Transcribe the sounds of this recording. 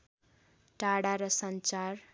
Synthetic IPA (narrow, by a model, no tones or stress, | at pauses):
ʈaɽaɾʌsʌnt͡ʃar